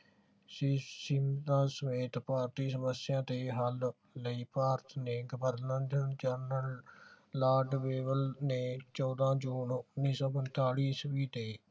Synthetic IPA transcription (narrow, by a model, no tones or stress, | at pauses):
sisɪmt̪ãːsəmeːt̪paːɾt̪iːsəməsɪjãːt̪eːɦəlː | əiːpaːɾt̪neːɡəbəɾnənd̪ənd͡ʒəɾnəl | laːɾɖʋeːbəlneːt͡ʃɔːd̪ãːd͡ʒuːnʊnːiːsɔːpənt̪aːɽiːsʋiːt̪eː